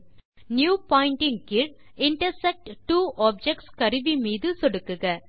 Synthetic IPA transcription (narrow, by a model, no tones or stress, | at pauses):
njuːpaːɪɳʈɪŋkɪɾ | ɪɳʈɐɾsɛk̚ʈʈːuːʔaːp̚d͡ʒɛk̚ʈskɐɾɯʋimiːðɯsɔɽɯkːɯɣɐ